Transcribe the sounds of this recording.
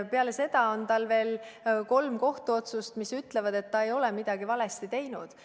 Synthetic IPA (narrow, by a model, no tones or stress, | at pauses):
peɑlese̞d̪̥ɑo̞nt̪ɑlve̞ːlko̞lmko̞ht̪uo̞t̪sust̪misyt̪ːˑle̞vɑd̪e̞t̪ːɑe̞jo̞lɛmid̪̥ɑɡivɑlest̪it̪e̞jnud̪̥